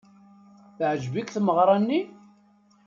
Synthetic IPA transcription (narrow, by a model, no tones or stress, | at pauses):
θʕəʒbikθməʁɾˤɑnːi